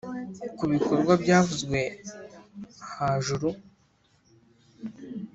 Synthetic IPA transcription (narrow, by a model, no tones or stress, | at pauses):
kuβiko̞ɾɡwabɟaːvuzɡwe̞ | haʒuɾu